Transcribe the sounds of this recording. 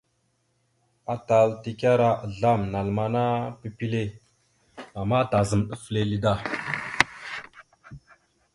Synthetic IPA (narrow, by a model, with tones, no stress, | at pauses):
a˨ta˨lti˦˨ka˦ɾa˦˨ɮa˦˨mna˨lma˨na˦pi˦pi˦le˦˨ | a˨ma˦ta˨zə˨mɗə˦fle˦li˦da˦˨